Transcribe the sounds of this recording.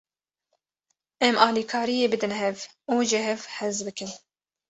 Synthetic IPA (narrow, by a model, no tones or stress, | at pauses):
ʔɛmɑːlikʰɑːɾijeːbɨd̪ɨnɦɛv | uːʒɪɦɛvħɪzbɨkɨn